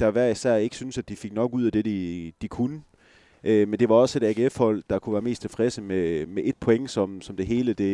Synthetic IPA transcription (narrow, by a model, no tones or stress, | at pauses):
d̥ɑʋæɐ̰isæɐ̰e̝ɡ̥synəsæd̥ifeɡ̥̚nɒ̽ɡ̥uð̰ˠæd̥e̝d̥id̥ikʰunə | ʔømend̥e̝ʋɑ̈ɒ̽se̝ɾ̥æɡ̥e̝efhɒ̽l̰d̥ɑ̈kʰuʋæːɐme̝ːst͡sʰe̝fʁɛsəmemeʔe̝d̥̚pʰo̽eŋ̰sɒ̽msɒ̽md̥e̝ɦe̝ːləd̥e̝